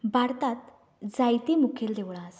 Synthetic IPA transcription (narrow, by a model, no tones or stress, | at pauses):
baɾt̪at̪ | d͡zajt̪iːmukʰeld̪eʋɭaːs